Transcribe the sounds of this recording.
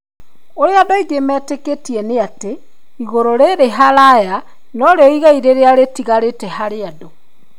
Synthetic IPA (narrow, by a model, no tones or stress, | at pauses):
oɾeadoiɡemɛːteketiɛneate | iɣoɾoɾeɾeɦaɾaja | nɔɾeɔiɣaiɾeɾeaɾetiɣaɾetɛhaɾeado